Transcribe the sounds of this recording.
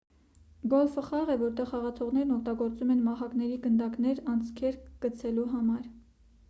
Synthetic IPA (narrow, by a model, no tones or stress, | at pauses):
ɡɔlfəχɑʁɛvɔɾt̪ɛʁhɑʁɑt̪ʰɔʁnɛɾnɔk̚ʰt̪ɑɡɔɾt͡sumɛnmɑɦɑkn̪ɛɾiɡənd̪ɑknɛɾɑnt͡sʰkʰɛɾɡ̥ət͡sʰɛluɦɑmɑɾ